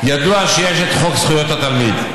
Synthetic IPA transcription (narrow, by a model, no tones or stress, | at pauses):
jad̪uaʃejeʃet̪χoksχujot̪at̪almid̪